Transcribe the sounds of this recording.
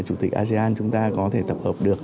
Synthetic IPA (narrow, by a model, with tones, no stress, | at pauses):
t͡ɕu˧˩t̪ï˨˩k̟ʔaː˧ze˧ʔaː˧nt͡ɕʊ˨˦ŋ͡mt̪aː˧kɔ˨˦t̪ʰe˧˩t̪ə˨˩p̚həː˨˩p̚ɗɨ˨˩ək̚